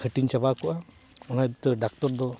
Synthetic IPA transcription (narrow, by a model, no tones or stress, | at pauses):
kʰəʈiɲt͡ʃabakɔʔa | ɔnad̪t̪ɔɖak̚t̪ɔɾd̪ɔ